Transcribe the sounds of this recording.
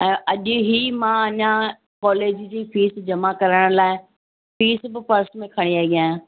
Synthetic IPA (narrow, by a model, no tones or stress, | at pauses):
ɛ̃ːʔɐʄɦimãːɐɲã | kɔːleːd͡ʑd͡ʑĩːfiːsd͡ʑɐmakɐɾəɽ̃laːɪ | fiːsbɪpɐɾsmẽkʰɐɽ̃iaːɡiãːɦjãː